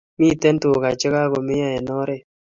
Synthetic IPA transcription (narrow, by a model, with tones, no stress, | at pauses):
mi˦˨tɛ˦nto˨ka˨t͡ʃɪ˦ka˦ko˨me˦ja˦ɛ˨nɔ˦ɾe˦˨